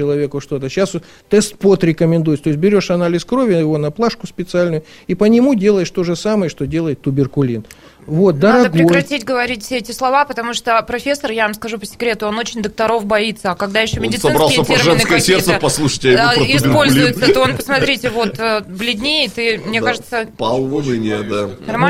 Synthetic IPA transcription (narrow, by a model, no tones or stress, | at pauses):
ɪlˠɐvʲe̞kʊʂt̪o̞t̪̬əɕːas | t̪ɛst̪̚pot̪ɾʲɪkəmʲɪnd̪ujɪt̪t̪o̞ɪs̬ʲbʲɪɾʲoʂɐnalʲɪskɾo̞vʲɪjɪvo̞nɐplˠaʂkʊspʲɪt̪sɨalʲnʊjʊ | ipənʲɪmudʲe̞lˠəjɪʂt̪o̞ʐɨsaməjəʂt̪odʲe̞lˠəjɪt̪ːʊbʲɪrkʊlʲin | vo̞t̪̚d̪əɾɐɡɾʲɪokjɐtʲitʲɡəvɐɾʲit̚ʲfʲsʲeɛtʲɪslˠɐvapət̪ɐmuʂt̪opɾɐfʲesːərjavɐmskɐʐupə̥sʲɪ̥kɾʲe̞t̪ʊo̞no̞t͡ɕɪnʲd̪ək̚t̪ɐɾo̞fbɐit̪sːəɐkɐɡd̪ajɪɕːomʲɪdʲɪt̪sɐɨbɾalˠsəpʐɛnskəjəsʲert̪səpɐslˠuʂə̥jtʲjɪɪspolʲzʲʊjɪt̪sət̪oonpəsmɐt̪ɾʲitʲɪvo̞t̪ːblʲɪd̪ʲnʲeɪt̪ɨmnʲekaʐɨt̪səpalˠvənɨnʲed̪anɐma